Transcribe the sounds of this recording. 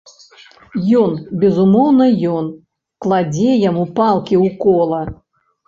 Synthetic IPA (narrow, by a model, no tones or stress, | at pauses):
jɔnbʲɛzumɔwnɐjɔn | klˠad͡zʲɛjamupalˠkʲiwkɔlˠɐ